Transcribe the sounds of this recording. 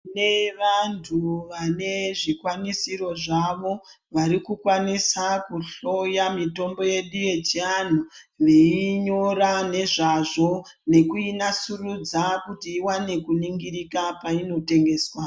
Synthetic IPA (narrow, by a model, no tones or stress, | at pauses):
ne̞ʋantʰuʋane̞ʐikwanisiɾo̞ʐaʋo̞ | ʋaɾikukwanisakuɬo̞jamito̞mbo̞je̞ɗuje̞t͡ʃian̤uʋeiɲo̞ɾane̞ʐaʐo̞ | ne̞kuinasurud͡zakutiːwane̞kuniŋɡiɾikapaino̞te̞ŋɡe̞ːswa